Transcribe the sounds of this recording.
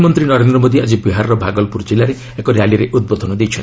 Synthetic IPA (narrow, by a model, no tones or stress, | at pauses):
mɔnt̪ɾinɔɾend̪ɾɔmod̪iad͡ʒibiɦaɾɾɔbʱaɡɔlpuɾd͡ʒilaɾe | ekɔɾealiɾeʔud̪̚bod̪ʱɔnɔd̪ejt͡ʃʰɔn